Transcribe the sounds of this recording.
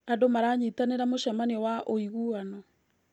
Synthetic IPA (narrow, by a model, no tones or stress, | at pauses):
adomaɾaɲitaneɾamoʃamanewaʔoiɣuanɔ